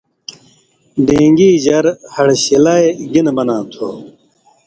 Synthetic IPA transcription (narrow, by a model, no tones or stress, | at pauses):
ɖẽːŋɡiːd͡ʑɐɾhɐɽɕilaːeɡinbɐnãːt̪ʰo̰ː